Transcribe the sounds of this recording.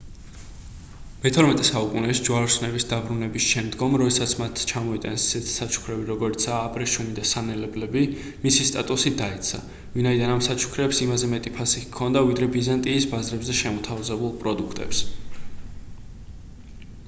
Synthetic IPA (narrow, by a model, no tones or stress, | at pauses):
mɛt̪ʰɔɾmɛt̪ʼɛsaukʼunɛʃd͡ʒwaɾsnɛbisd̪abɾunɛbisʃɛmd̪ɡɔmɾɔd̪ɛsat̪sʰmat̪ʰt͡ʃʰamɔit̪ʼansi̥sɛt̪ʰi̥sat͡ʃʰu̥kʰɾɛbiɾɔɡɔɾit̪sʰaːpʼɾɛʃunid̪asanɛlɛblɛbi | misist̪ʼat̪ʼusid̪aɛt̪sʰa̰ | vinaid̪anamsat͡ʃʰu̥kʰɾɛpsimazɛmɛt̪ʼipʰasikʰːɔnd̪avid̪ɾɛbizant̪ʼiːsbazɾɛbzɛʃɛmɔt̪ʰavzɛbulˠpʼɾɔd̪ukʰt̪ʼɛ̰ps